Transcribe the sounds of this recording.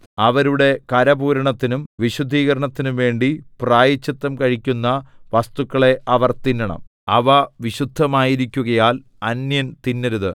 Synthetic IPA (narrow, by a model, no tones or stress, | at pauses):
ɐʋɐɾuɽe̞kɐɾɐbuːɾɐɳɐt̪ːinumʋiɕud̪ʱːiːɣɐɾɐɳɐt̪ːinumʋe̞ːɳɖipraːjɐt͡ɕːɐt̪ːɐmkɐɻikʲːunːɐʋɐst̪ukːɐɭe̞ʔɐʋɐrt̪inːɐɳɐ̰m | ɐʋɐʋiɕud̪ʱːɐmaːjiɾikʲːuɣɐjaːl | ɐnjɐnt̪inːɐɾuðɨ